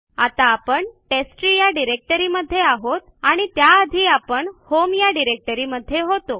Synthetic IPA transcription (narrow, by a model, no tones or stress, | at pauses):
at̪aːpəɳʈesʈɾijaɖiɾek̚ʈəɾiməd̪ʱːjeaɦot̪aɽ̃it̪jaəd̪ʱiːapəɳhomjaɖiɾek̚ʈəɾiməd̪ʱːjeɦot̪o